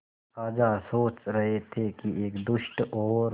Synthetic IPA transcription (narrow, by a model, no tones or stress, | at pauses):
saːd͡ʒasoːt͡ʃɾɐɦet̪ʰekieːkd̪ʊʃʈɔːɾ